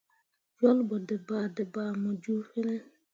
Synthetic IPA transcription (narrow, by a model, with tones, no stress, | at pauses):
d͡ʒɔ˦lbɔ˨dɛ˨baː˨dɛ˨baː˨mɔ˨d͡ʒu˦fɛ˦nɛ˦